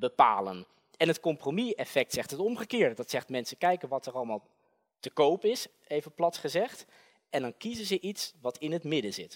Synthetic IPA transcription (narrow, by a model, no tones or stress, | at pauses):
bəpa̰ːlən | ɛnətkɔmpromiɛfɛk̚tsɛχtɦətɔmχəkɪːɹdədɑtsɛχtmɛnsəkɛjkənʋɑtərɑlˠmaːlˠ | təkowpɪs | ejvəplɑtχəzɛχt | ɛndɑnkizənzəʔitsʋɑtʰɪnɦətmɪdəzɪt